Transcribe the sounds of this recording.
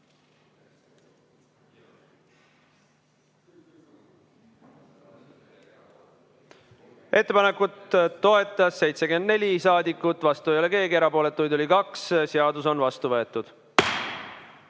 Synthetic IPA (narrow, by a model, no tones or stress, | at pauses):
ʔe̞t̪ːe̞pɑne̞kːˑut̪ːo̞e̞t̪ˑːɑsːe̞jt̪se̞ke̞nd̪̚ne̞lʲisɑːd̪ikːˑut̪ːˑvɑst̪ujoleke̞ːɡie̞ɾɑpo̞ːle̞t̪ːˑujd̪olʲikɑksseɑd̪uso̞nvɑst̪uvɤ̞e̞t̪ːud̪̥